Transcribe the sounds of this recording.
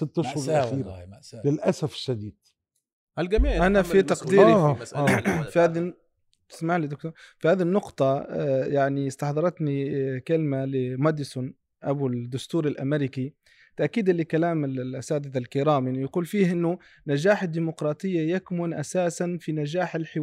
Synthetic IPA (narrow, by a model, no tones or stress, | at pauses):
sɪt̪ːʃhʊɾaxiːɾalɪlʔasafʃad̪iːd̪̥̚ | lɡamiːʔanafit̪ɑqd̪iːɾi | fihaːði | t̪ɪ̥smaʕlid̪ʊk̚t̪uɾfihaːðinːʊqt̪ˤɑjaʕniɪst̪ɑħd̪ˤɑɾˤɑt̪nikalmalɪmad̪ɪsʊn | ʔabud̪ːʊst̪uːɾɪlʔamɪɾɪki | t̪aʔkiːd̪ɪlːikalaːmɪllʔasaːd̪ɪd̪alkɪɾaːmjɪnjaquːlfiːhʔɪnːʊ | nad͡ʒaːħɪd̪ːiːmʊqɾˤɑːt̪ˤɨjːajakmʊnʔasaːsanfinaʒaːħɪlħɪ